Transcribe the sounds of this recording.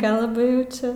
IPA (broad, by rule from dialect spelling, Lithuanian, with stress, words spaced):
ˈkɐlˠbɐ jɛʊ ˈt͡ʃʲɛ